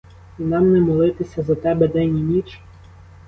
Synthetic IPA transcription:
nɑmnɛmɔlˠɪt̪ɪsʲɐzɐt̪ɛbɛd̪ɛnʲinʲit͡ʃ

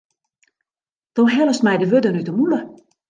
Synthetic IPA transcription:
d̥oːɦɛləstmɛjdəʋødənytəmulə

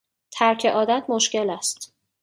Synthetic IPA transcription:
t̪ʰæɾcʰe̞ʔɒːd̪æt̪̚ʰmoʃce̞læst̪

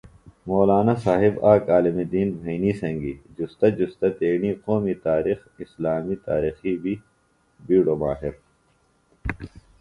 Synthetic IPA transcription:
moːlaːnasaːɦibaːkaːlimid̪iːnbʱɐːniːsɐ̃ŋɡid͡ʑust̪ɐd͡ʑust̪ɐt̪eːniːqoːmit̪aːɾix | islaːmit̪a̰ːɾiːxibi | biːɽoːmaːɦiɾ

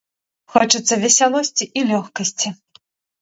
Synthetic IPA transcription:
xɔt͡ʂɨt̪sːɐvʲɛsʲalˠɔsʲt͡sʲiʔilʲɔxkɐsʲt͡sʲi

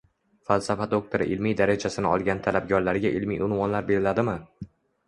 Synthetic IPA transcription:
falˠsafad̪ok̚t̪ʰoɾɪ̰ʔɪlmijd̪aɾad͡ʒasɪnɪɒlˠɡʲant̪ʰalab̚ɡʲɒɾlaɾɡʲaʔɪlmḭjʊnwɒnlaɾbe̞ɾɪlad̪ɪmɪ

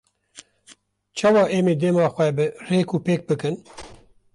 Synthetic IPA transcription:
t͡ʃʰɑːwɑːʔeːmeːd̪eːmɑːxʷɛbɨreːkuːpeːk̚bɨkɨn

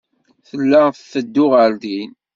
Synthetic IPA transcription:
θəlːæθθəd̪ːʊʁəld̪in

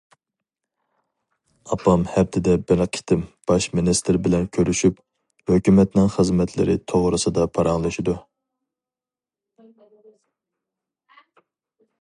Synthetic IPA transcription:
ɑpɑmhɛp̚t̪ʰɪd̪ɛbɪɾqʰi̥t̪ʰɪmb̥ɑʃminist̪ɪɾbɪlɛnkʲʰøɾyʃyp | høkʲymɛt̪nɪŋχəzmɛt̪ʰlɪ̰ɾɪt̪ʰoʁɾɨsɨd̪ɑpʰɑɾɑŋlˠɨʃid̪u

